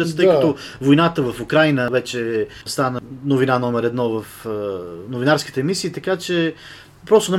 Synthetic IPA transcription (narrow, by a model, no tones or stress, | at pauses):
ɾət̪t̪əjkəɔvojnat̪əvəfukɾajnəvɛt͡ʃɛst̪anənovinanɔmɛɾɛd̪nɔvəf | novinaɾsk̟i̥t̪ɛːmisiːt̪ɐkat͡ʃɛ | pɾɔst̪ʊnɛ